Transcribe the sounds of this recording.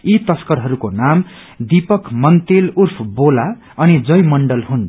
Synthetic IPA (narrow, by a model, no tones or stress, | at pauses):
it̪ʌskʌrɦʌɾukonam | d̪ipʌkʰmʌnt̪elurpʰbola | ʌnid͡zʌjmʌɳɖʌlɦun